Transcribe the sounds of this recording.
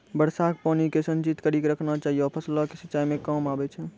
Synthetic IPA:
bəɽsak̚panikesənt͡ʃit̪kəɾikeɾəkʰnat͡ʃaɦijɔpʰəslakesət͡ʃajmekəmabɛt͡ʃʰɛ

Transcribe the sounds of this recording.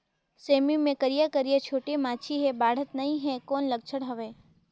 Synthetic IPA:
semimẽkəɾijakəɾijat͡ʃʰoːʈemãt͡ʃʰiɦebaɽ̤ət̪nəɦĩɦɛkoːnləɡ̚t͡ʃʰəɽɦəʋe

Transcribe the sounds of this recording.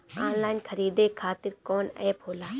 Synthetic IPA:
ã̰ːnlaːinkʰəɾiːd̪ekʰaːt̪ɪɾkɔːnɛ̰ːpɦoːlaː

